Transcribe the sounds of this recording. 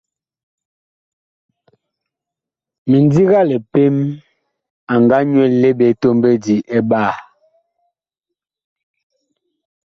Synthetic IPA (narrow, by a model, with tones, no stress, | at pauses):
mi˨ndi˦ɣa˦lɛ˨pe˦m | a˨ŋɡa˦ɲwɛ˦˨lɛ˦be˨˦to˦mbe˦di˨ʔɛ˦ba˦˨